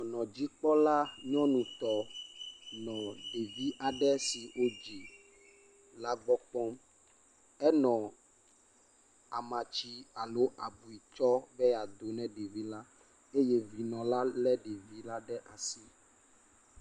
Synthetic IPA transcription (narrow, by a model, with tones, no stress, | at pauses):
ɲɔ̃˨nɔ̃˨d͡ʑi˦k͡pɔ˦la˦ɲɔ̃˦nũ˨t̪ɔ˨ | nɔ̃˨ɖe˨vi˦ʔa˨ɖɛ˦si˨wo˦d͡ʒi˨ | la˦ɡ͡bɔ˦k͡pɔ̃˦m | ɛ˦nɔ̃˨ | a˨mã˨t͡ɕi˦a˨lo˦ʔa˨bu˨i˨t͡ʃɔ˦bɛ˦a˨d̪o˨nɛ̃˦ɖe˨vi˦la˦ | e˦je˦vi˨nɔ̃˨la˦lɛ˦ɖe˨vi˦la˦ɖɛ˦ʔa˨si˦